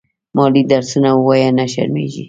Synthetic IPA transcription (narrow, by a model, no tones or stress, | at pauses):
mɑlid̪aɾsunawwɑjanaʃa̰ɾmḛʒḭ